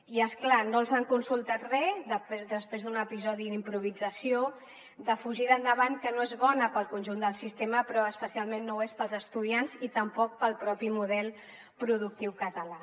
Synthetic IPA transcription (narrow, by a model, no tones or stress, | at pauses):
iəsklanolˠzaŋkunsulˠt̪at̪rɛðəpezd̪əspɾezðunəpizɔðiðimpɾuβid͡zəsio | d̪əfuʒiðənd̪əβankənoezβɔnəpəlˠkunʲʒund̪əlˠsist̪eməpɾɔəspəsialˠmenːowespəlˠzəst̪uð̞ianzit̪əmpɔk̚pəlˠpɾɔpimuðɛlˠ | pɾuðuk̚t̪iwkət̪əla